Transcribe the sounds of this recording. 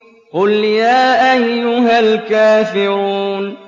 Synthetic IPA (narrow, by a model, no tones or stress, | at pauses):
qʊljaːʔajːʊɦalkaːfɪɾuːn